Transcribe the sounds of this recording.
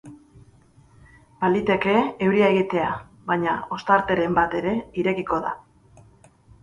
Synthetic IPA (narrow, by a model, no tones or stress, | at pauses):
b̥alit̪e̞ke̞ewɾiae̞ɣit̪e̞a | βajɲao̞st̪aɾt̪e̞ɾe̞mbat̪e̞ɾe̞iɾe̞kiko̞ða̰